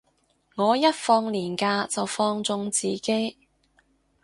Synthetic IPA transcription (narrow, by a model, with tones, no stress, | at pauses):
ŋɔː˨˧jɐ˥t̚fɔː˧ŋliː˨˩nkaː˧t͡sɐ˨wfɔː˧ŋt͡sʊ˧ŋt͡siː˨ke˥j